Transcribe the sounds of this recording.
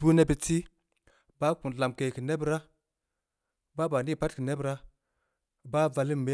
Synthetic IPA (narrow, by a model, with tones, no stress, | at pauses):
u˦ne˦bi˨ti˦ | ba˦ku˨n˨la˨mke˨ki˨ne˦bɾa˦ | ba˦ba˨ni˦˨pa˦tki˨ne˦bɾa˦ | ba˦va˨li˦˨me˦